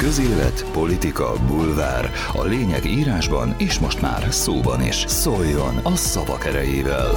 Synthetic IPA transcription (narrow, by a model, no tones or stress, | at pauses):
kø̞zeːlɛ̰t̪po̞lit̪ikɒ̰bulva̰ːr | ɒ̰leːɲɛɡiːɾaːʒbɒ̰neːʃmo̞ʃt̪ma̰ːrsoːbɒnḭʃsojːo̞nɒsɒvɒkɛɾɛjeːvɛ̰l